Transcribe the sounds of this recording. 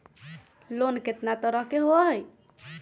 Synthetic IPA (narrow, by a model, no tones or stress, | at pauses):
lonket̪nat̪ɔɾʌɦkeɦoɦj